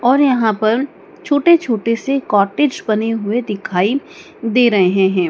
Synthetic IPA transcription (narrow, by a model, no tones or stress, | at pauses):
ɔːɾjɐɦãpɐɾ | t͡ʃʰoːʈet͡ʃʰoːʈesekɔːʈeːd͡ʒbɐneɦʊed̪ɪkʰaːi | d̪eːɾɐɦeɦɛ̃ɦɛ̃ː